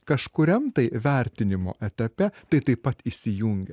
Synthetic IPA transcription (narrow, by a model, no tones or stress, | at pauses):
kɐʃkʊɾʲɛmt̪ɐɪʋʲæˑɾʲt̪ʲɪnʲɪmo̰ːʔɛt̪ʲɐpʲɛt̪ɐɪt̪ɐɪpːɐt̪isʲɪjuŋʲɡʲɛ